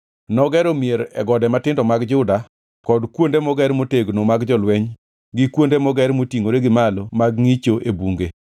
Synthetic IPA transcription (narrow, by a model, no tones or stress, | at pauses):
nɔɡɛɾomieɾɛ̰ɡɔdɛmatɪndɔmaɡd͡ʒʊda | kɔdkwondemɔɡɛɾmoteɡnomaɡd͡ʒɔlwɛɲ | ɡɪkwondemɔɡɛɾmotiŋoɾeɡɪmalomaɡŋit͡ʃoʔebuŋɡe